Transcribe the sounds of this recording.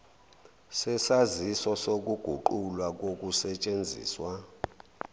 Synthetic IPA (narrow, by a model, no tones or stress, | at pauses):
sɛsazisɔsok̬ʼuɡ̥ʱuǃulwak̬ok̬ʼusɛt͡ʃʼend͡zʱḭːswa